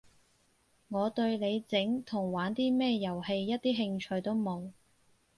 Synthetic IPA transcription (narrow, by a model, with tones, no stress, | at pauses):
ŋɔː˨˧t̪ɵ˧ɥle˨˧jt͡sɪ˨˥ŋt̪ʰʊ˨˩ŋwaː˨˥nt̪iː˥mɛː˥jɐ˨˩whe˧jːɐ˥t̚t̪iː˥ɦɪ˧ŋt͡ʃʰɵ˧ɥt̪o˥wmo˨˧w